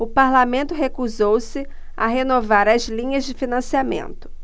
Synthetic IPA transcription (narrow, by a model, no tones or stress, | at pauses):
ʊpaɾlamẽnt̪ʊɦekuzowsɪ | a̰ɦenovaɾɐzlĩɲɐzd͡ʒɪfinɐ̃siamḛ̃nt̪ʊ̥